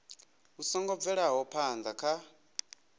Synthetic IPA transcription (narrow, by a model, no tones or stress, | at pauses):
usɔŋɡɔb̪vɛɺaɦɔpʰand͡zakʰa